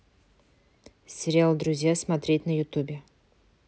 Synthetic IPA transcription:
sʲɪɾʲɪalˠd̪ɾʊzʲjasmat̪ɾʲe̞tʲnɐjʊt̪ubʲe

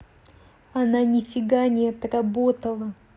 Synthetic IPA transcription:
ɐnanʲɪfʲɪɡanʲɪjɛt̪ərɐbot̪əlˠə

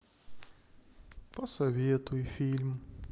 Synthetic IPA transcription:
pɔsɐvʲet̪ʊifʲilʲm

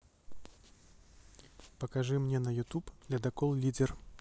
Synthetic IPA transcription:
pɐkaʐɨmnʲɛnɐjut̪upd̪lʲɐd̪akɔlˠlʲidʲɛr

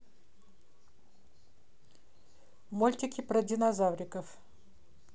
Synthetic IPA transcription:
molʲt̪ʲɪkʲipɾɐdʲɪnazawɾʲɪkəf

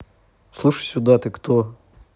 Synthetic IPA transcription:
slˠuʃɐ̥jsʲʊd̪ɑt̪ɪkt̪ɔ

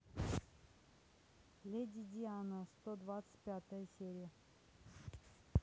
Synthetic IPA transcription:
lʲedʲid̪ʲianəst̪od̪vat̪sɨ̥t̚ʲpʲat̪əjəsʲeɾʲɪjə

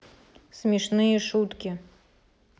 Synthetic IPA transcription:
smʲiʂnɨjɛʂut̪kʲi

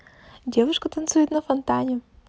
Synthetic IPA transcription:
dʲevʊʂkət̪ɐnt̪sujɪt̪nɐfɐnt̪anʲɪ

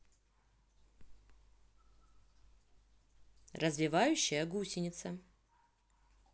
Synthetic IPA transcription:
rəzvʲɪvajʉɕːɪjəɡusʲɪnʲɪt̪sə

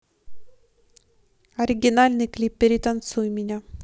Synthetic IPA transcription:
ɐɾʲɪɡʲɪnalʲnɨjklʲipːʲɪɾʲɪt̪ɐnt̪sujmʲɪnʲa

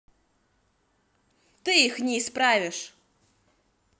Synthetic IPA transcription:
t̪ɨixnʲɛispɾavʲɪʂ

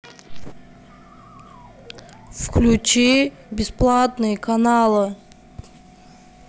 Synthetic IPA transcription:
fklʲut͡ɕi | bʲɪsplˠat̪nɨjəkanalˠɨ

